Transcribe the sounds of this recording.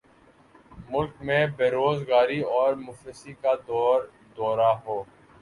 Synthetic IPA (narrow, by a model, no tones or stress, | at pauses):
mʊlkmẽbeːɾoːzɡaːɾiɔːɾmʊfɾɪsikad̪ɔːɾ | d̪ɔːɾaɦoː